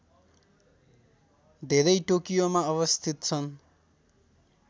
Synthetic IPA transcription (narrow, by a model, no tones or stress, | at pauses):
d̪ʱeɾʌjʈokijomaʌβʌst̪ʰit̪t͡sʰʌn